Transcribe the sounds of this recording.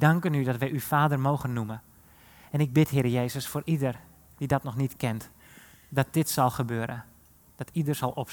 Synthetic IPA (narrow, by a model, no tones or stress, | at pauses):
dɑŋkənydɔtʋɛjyfaːdərmowɣənːumə | ɛnɪɡ̚bɪtɦɪːɾəjejzəsfoːɾʔidər | d̥idɔtnɔxnitkɛnt | dɔt̚dɪtsɑlˠxəbøːɾə̰ | d̥ɔtʰidərsɑlˠʔɔp